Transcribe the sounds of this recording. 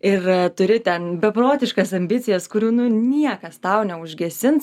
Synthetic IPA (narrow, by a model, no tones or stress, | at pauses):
ɪrt̪ʊɾʲɪt̪ʲɛnbʲɛpɾoːt̪ʲɪʃkɐsɐmʲbʲɪt͡sʲɪjɛskʊɾʲuːnʊnʲiɛkɐst̪ɐʊnʲɛʊʒʲɡʲɛsʲɪns